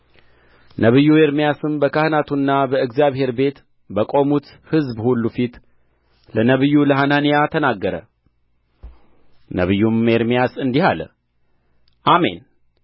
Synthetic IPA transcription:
nʔəβɨjːue̞ɾmijasɨmbəkʰahnat̪ʰunːabəɨɡzijaβhe̞ɾbe̞t̪ | bəkʼo̞mut̪ | hɨzbhulːufit̪ | lənəβɨjːuləɦananijat̪ʰənaɡːəɾə̰ | nə̰βɨjːume̞ɾmijasɨnd̪ihalə̰ | ʔame̞̰n

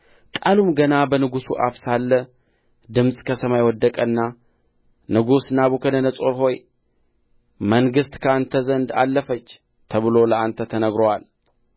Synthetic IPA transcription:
kʼalumɡənabənɨɡusṵʔafsalːə | d̪ɨmsʼkʰəsəmajwɔd̪ːəkʼənːa | nɨɡusnaβukʰənənəsʼo̞ɾɦo̞j | məŋɡɨst̪kʰəant̪ʰəzənd̪a̰lːəfət͡ʃː | t̪ʰəβɨlo̞ləʔant̪ʰət̪ʰənəɡɾowal

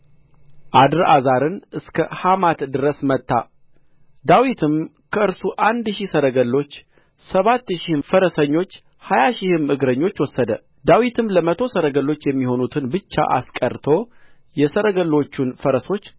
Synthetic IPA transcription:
ʔad̪ɨɾazaɾɨnɨskʰəhamat̪d̪ɨɾəsmət̪ːa̰ | d̪awit̪ʰɨm | kʰəɨɾsuʔand̪ʃihsəɾəɡəlːo̞t͡ʃː | səβat̪ːʃihfəɾəsəɲːo̞t͡ʃː | hajaʃɪhɨmɨɡɾəɲːo̞t͡ʃːwɔsːəd̪ə | d̪awit̪ʰɨmləmət̪ʰo̞səɾəɡəlːo̞t͡ʃːjɛmːiho̞nut̪ʰɨnbɨt͡ʃːa̰ʔa̰skʼəɾt̪ʰo̞ | jɛsəɾəɡəlːo̞t͡ʃːunfəɾəso̞t͡ʃː

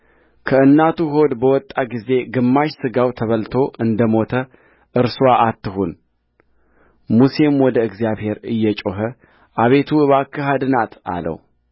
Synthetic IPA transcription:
kʰəɨnːat̪ʰuɦo̞d̪bəwɔt̪ʼːaɡize̞ɡɨmːaʃsɨɡawt̪ʰəβəlt̪ʰo̞ʔɨnd̪əmo̞t̪ʰə | ʔɨɾswaʔat̪ːɨhun | musemwɔd̪əɨɡzijaβhe̞ɾɨjːɛt͡ʃʼoɦə | ʔaβe̞t̪ʰuɨβakːəɦad̪ɨnat̪a̰lə̰w

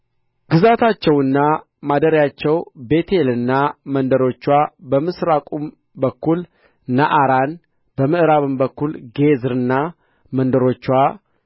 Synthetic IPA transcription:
ɡ̥ɨzat̪ʰat͡ʃːɛwɨnːa | mad̪əɾjat͡ʃːɛwbe̞t̪ʰelɨnːamənd̪əɾo̞t͡ʃːwabəmɨsɾakʼum | bəkːul | naʔaɾan | bəmɨʔɾaβɨmbəkːulɡezɨɾɨnːa | mənd̪əɾo̞t͡ʃːwa

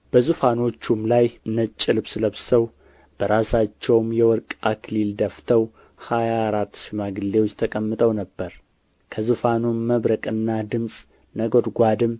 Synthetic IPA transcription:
b̥əzɨfano̞t͡ʃːumlajɨnət͡ʃʼːɪlɨbsɨləβsəw | b̥əɾasat͡ʃːɛwmjɛwɔɾkʼakʰlild̪əft̪ʰəw | hajaːɾat̪ːʃɪmaɡɨlːewot͡ʃʼːt̪ʰəkʼəmːɨt̪ʼəwnəbːəɾ | kʰəzɨfanumːəβɾəkʼɨnːad̪ɨmsʼ | nəɡo̞d̪ɡʷad̪ɨm

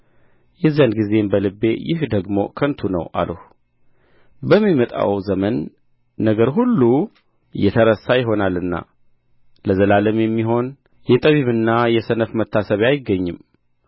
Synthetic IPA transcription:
jɛzanɡize̞mbəlɨbːe̞jɪhd̪əɡmo̞̰kʰənt̪ʰunə̰wa̰lʔəh | bəmːimət̪ʼa̰wzəmənː | əɡəɾɦulːu | ɨjɛt̪ʰəɾəsajɪɦo̞nalːɨnːa̰ | ləzəlaləmjɛmːiɦo̞n | jɛt̪ʼəβiβɨnːajɛsənəfmət̪ʰːasəβajɪɡːəɲːɨm

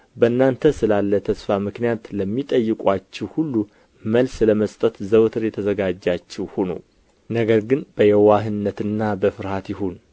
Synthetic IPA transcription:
bənːant̪ʰəsɨlalːət̪ʰəsfamɨknijat̪ləmːit̪ʼəjːɨkʼwat͡ʃːɛwhulːu | məlsləməst̪ʼət̪zəwt̪ʰɨɾjɛt̪ʰəzəɡad͡ʒːat͡ʃːɛwhonə̰w | nəɡəɾɡɨnb̥əjɛwaɦɨnːət̪ɨnːabəfɨɾhat̪jɪɦon

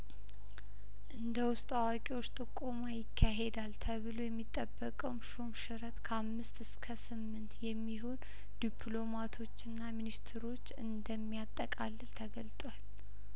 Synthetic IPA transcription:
ʔɨnd̪əwʊst̪ʼawakʼiwot͡ʃːt̪ʼɨkʼːo̞majɪkʰːaɦe̞d̪alt̪ʰəβɨlo̞jɛmːit̪ʼːəbːəkʼəwmʃomʃɨɾət̪kʰəamːɨst̪ɨskʰəsɨmːɨnt̪jɛmːiɦo̞n | d̪̥ipʰlo̞mat̪ʰo̞t͡ʃːɨnːaminist̪ʰɾo̞t͡ʃːɨ̰nd̪əmːijat̪ʼːəkʼalːɨlt̪ʰəɡəlt̪ʼwal

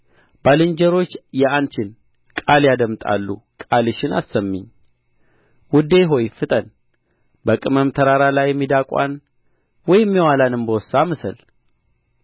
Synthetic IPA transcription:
b̥alɨnd͡ʒəɾo̞t͡ʃːjɛant͡ʃɪn | kʼaljad̪əmt̪ʼa̰lːṵkʼalɨʃɪnasəmːɨ̰ɲː | wʊd̪eɦo̞jfɨt̪ʼən | bəkʼɨməmt̪ʰəɾaɾalajːɛmːid̪akʼa̰n | wɔjɪmːiwalanɨmbəwɔsːaməsəl

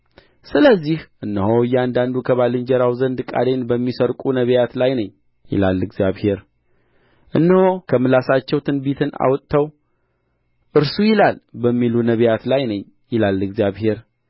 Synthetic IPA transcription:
sɨləzːihʔɨnːəhoɨjːɛand̪and̪ukʰəβalɨɲd͡ʒɛɾawzənd̪kʼa̰d̪e̞nbəmːisəɾkʼunəβjat̪lajnəɲː | jɪ̰lalːɨɡzjaβhe̞ɾ | ʔɨnːəho̞kʰəmɨlasat͡ʃːɛwt̪ʰɨnbit̪ʰɨna̰wt̪ʼt̪ʰːəw | ʔɨɾsujɪlalbəmːilunəβjat̪lajnəɲː | jɪlalːɨɡzjaβhe̞ɾ

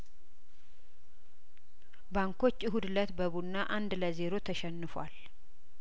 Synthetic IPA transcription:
baŋko̞t͡ʃːɨɦud̪lət̪bəβunːaʔand̪ləze̞ɾo̞t̪ʰəʃɛnːɨfwal

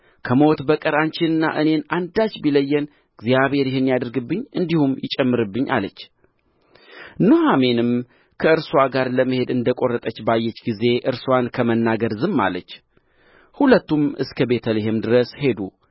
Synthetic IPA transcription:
kʰəmo̞t̪bəkʼəɾant͡ʃɪnɨnːa̰ʔɨne̞nand̪at͡ʃbiləjːɛn | ɡ̥zijaβhe̞ɾjɪhɨnːjad̪əɾɡɨbːɨɲːɨnd̪ihumjɪt͡ʃʼɛmːɨɾɨbːɨɲːʔa̰lət͡ʃː | nohamenɨm | kʰəɨɾswaɡaɾləmːəhe̞d̪ɨnd̪əkʼo̞rːət̪ʼət͡ʃːbajːɛt͡ʃːɡize̞ʔɨɾswankʰəmənːaɡəɾzɨmːa̰lət͡ʃː | hulət̪ːumɨskʰəbet̪ʰəleɦemd̪ɨɾəshe̞d̪u

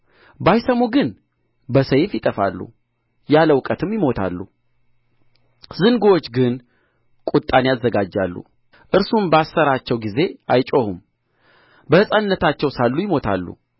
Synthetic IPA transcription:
bajsəmoɡɨn | bəsəjfjɪt̪ʼəfa̰lːṵ | jaləwkʼət̪ʰɨmjɪmo̞t̪ʰa̰lːṵ | zɨnɡowot͡ʃːɡɨn | kʼut̪ʼːanjazːəɡad͡ʒːa̰lːṵ | ʔɨɾsumbəasːəɾat͡ʃːɛwɡize̞ajt͡ʃʼohum | bəhɨsʼanːət̪ʰat͡ʃːɛwsalːujɪmo̞t̪ʰa̰lːṵ

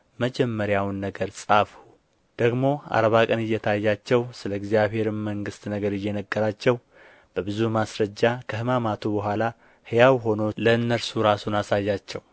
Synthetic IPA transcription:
məd͡ʒɛmːəɾjawnːəɡəɾsʼafu | d̪̥əɡmo̞a̰ɾβakʼənɨjːɛt̪ʰajːat͡ʃːɛwsɨləɡzjaβhe̞ɾɨmməŋɡɨst̪nəɡəɾɨjːɛnəɡːəɾat͡ʃːɛw | b̥əbɨzumasɾəd͡ʒːakʰəhɨmamat̪ʰubəɦʷala | hɨjawɦo̞noləɨnːəɾsuɾasunasajːat͡ʃːɛw

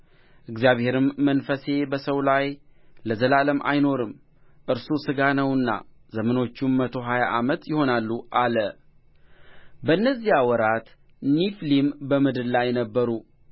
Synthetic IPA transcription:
ʔɨɡzijaβhe̞ɾɨmːənfəse̞bəsəwlajləzəlaləmʔa̰jno̞ɾɨm | ʔɨɾsusɨɡanəwɨnːa̰ | zəməno̞t͡ʃːumːət̪ʰo̞ɦajaʔamət̪jɪho̞nalːuʔalə | bəɨnːəzːiawɔɾat̪ | niflimbəmɨd̪ɨllajnəbːəɾu

